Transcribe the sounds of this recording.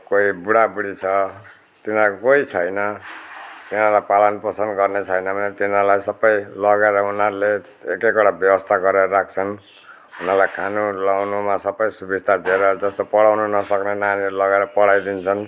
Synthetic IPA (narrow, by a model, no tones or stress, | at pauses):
koibuɽabuɽit͡sʰʌ | t̪inakokoit͡sʰʌjnʌ | t̪inarlajpalʌnpʌsʌnd̪ɡʌrnet͡sʰʌjnʌbʱʌnet̪inalajsʌbʌjlʌɡeɾʌunarle | ekekoɽabjʌbʌst̪ʰaɡʌɾeɾɾak̚t͡sʰʌn | unarlajkʰanulawnumasʌbʌjsubist̪ʰad̪ʱieɾʌd͡zʌst̪opʌɽawnunʌsʌknenanilʌɡeɾʌpʌɽajd̪int͡sʰʌn